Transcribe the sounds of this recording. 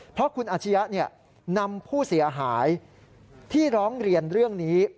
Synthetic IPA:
pʰɾɔ˦˥kʰu˧nʔaː˧˩t͡ɕʰa˦˥ja˦˥ʔni˥˩ə | na˧mpʰuː˥˩si˩˦ɐɦaː˩˦j | t̪ʰiː˥˩ɾɔː˦˥ŋɾi˧ənɾɯ˥˩əŋniː˦˥

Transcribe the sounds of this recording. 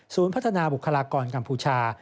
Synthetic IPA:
suː˩˦npʰt̪ʰa˧naː˧bu˨˩kʰːa˧laː˧kɔː˧nka˧mpʰuː˧t͡ɕʰaː˧

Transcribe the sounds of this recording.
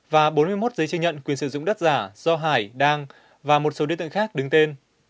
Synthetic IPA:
vaː˨˩ɓo˨˦nmɨ˧əjmo˦˥t̚zə˨˦jt͡ɕɨ˧ŋɲə̰˧˨nkwi˨˩ənsɨ̰˧˩zʊ̰˧˨ŋ͡mɗə˦˥t̚z̥aː˧˩z̥ɔ˧ɦaː˧˩jɗaː˧ŋ | vaː˨˩mo˨˩t̚so˨˦ɗi˧t̪ɨ̰˧˨ŋxaː˦˥k̚ɗɨ˨˦ŋt̪e˧n

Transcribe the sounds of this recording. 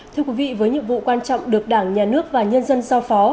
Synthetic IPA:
tt̪ʰɨ˧əkwi˨˦vḭ˧˨vəː˨˦jɲɨ̰˧˨əmvṵ˧˨kwaː˧nt͡ɕɔ̰˧˨wŋ͡mɗɨ˨˩ək̚ɗaː˧˩ŋɲaː˨˩nɨ˦˥ək̚vaː˨˩ɲə˧nzə˧nzaː˧wfɔ˨˦

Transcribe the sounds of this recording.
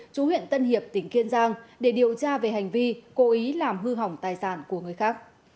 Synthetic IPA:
t͡ɕu˨˦hḭ˧˨ənt̪ə˧nhi˨˩əp̚t̪ï˧˩ŋ̟ki˧ənzaː˧ŋɗe˧˩ɗi˨˩əwt͡ɕaː˧ve˨˩ha˨˩jŋ̟vi˧ko˨˦ʔi˨˦laː˨˩mɦɨ˧ɦa˨˩wŋ͡mt̪aː˨˩jsaː˧˩nku˧˩əŋɨ˨˩əjxaː˦˥k̚

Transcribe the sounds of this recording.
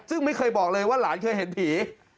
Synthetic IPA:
sɯ˥˩ŋma˥˩jkʰɤː˧jbɔː˨˩k̚lɤː˧jwaː˥˩laː˩˦nkʰɤː˧jɦe˨˦np̪ʰiː˩˦

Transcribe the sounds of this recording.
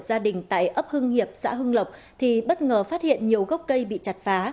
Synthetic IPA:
zaː˧ɗï˨˩ŋ̟t̪a̰ː˧˨jʔə˦˥p̚hɨ˧ŋhi˨˩əp̚sa̰ː˧˥ɦɨ˧ŋlə˨˩wk͡p̚ | t̪ʰi˨˩ɓə˦˥t̚ŋəː˨˩faː˦˥t̚hḭ˧˨ənɲi˨˩əwɣə˦˥k͡p̚kə˧jɓḭ˧˨t͡ɕa˨˩t̚faː˨˦

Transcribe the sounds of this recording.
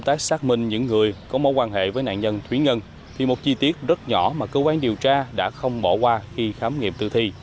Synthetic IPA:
wŋ͡mt̪aː˦˥k̚saː˦˥k̚mï˧ŋ̟ɲɨ̰˧˥ŋːɨ˨˩əjkɔ˨˦mo˨˦jkwaː˧nɦḛ˧˨vəː˨˦jna̰ː˧˨nɲə˧nt̪ʰwi˨˦ŋə˧n | t̪ʰi˨˩mo˨˩t̚t͡ɕi˧t̪i˦˥ət̚zə˦˥t̚ɲɔ˧˩maː˨˩kəː˧kwaː˧nɗi˨˩əwt͡ɕaː˧ɗa̰ː˧˥xə˧wŋ͡mɓɔ˧˩kwaː˧xi˧xaː˨˦mŋḭ˧˨mt̪ɨ̰˧t̪ʰi˧

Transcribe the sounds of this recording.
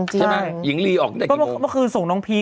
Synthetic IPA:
a˧aa˧˩ji˨˩˦ŋliː˧ʔɔː˨˩k̚da˨˩kɔ˥˩˧mɔ˧˥˩kʰɯː˧nso˨˩ŋnɔ˦˥ŋpʰiː˦˥˩

